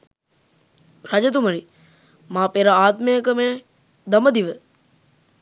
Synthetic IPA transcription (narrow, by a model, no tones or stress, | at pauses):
ɾad͡ʒɐt̪̬uməɾi | maːpeɾaaːt̪mejəkəme | d̪əməd̪iʋə